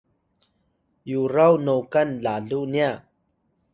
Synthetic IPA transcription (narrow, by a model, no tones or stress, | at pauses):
juɾawnowkɐnlaluʔnia